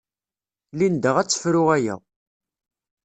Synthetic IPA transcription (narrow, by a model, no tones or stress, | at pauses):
lind̪əʁæt͡sːə̥fɾʊʁæjæ̰